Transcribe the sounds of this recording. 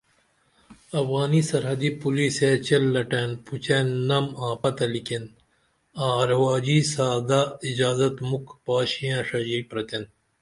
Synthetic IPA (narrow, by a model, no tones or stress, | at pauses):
ɐfɣaːnisɐɾɦɐd̪ipuliːset͡ɕɐlːɐʈenput͡ɕenːɐmãːpɐt̪ɐliken | ãːɐɾwaːd͡ʑiːsaːd̪aːid͡ʑaːzɐt̪mukpaːɕijãːʂɐd͡ʒipɾɐt̪en